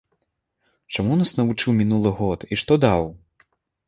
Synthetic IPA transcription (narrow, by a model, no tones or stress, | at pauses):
t͡ʂamunasnɐvut͡ʂɨwmʲinulˠɨɣɔt̪iʂt̪ɔd̪aw